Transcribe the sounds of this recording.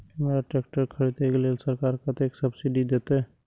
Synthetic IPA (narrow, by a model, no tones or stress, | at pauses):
meːɾaʈeːkʈəɾkʰɐɽet̪eːklelsɐɾkaːɾkat̪eːksɐbsiɖid̪eːt̪aɦɛ